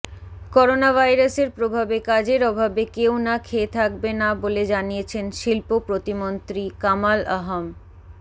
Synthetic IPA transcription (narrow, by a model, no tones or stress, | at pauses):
kɔɾonabʱajɾaseɾpɾobʱabekad͡ʑeɾɔbʱabekewnakʰeːt̪ʰak̚benaboled͡ʑanijet͡ɕʰenʃilpopɾot̪imont̪ɾikamalaɦom